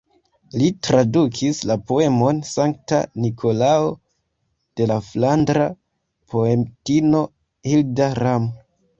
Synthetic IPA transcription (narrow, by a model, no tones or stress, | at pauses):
litɾadukʰislapo̞e̞mo̞nsaŋk̚ta̰nikʰo̞lao | d̥e̞laflandɾa | pʰoemtino̞ | hildaɾam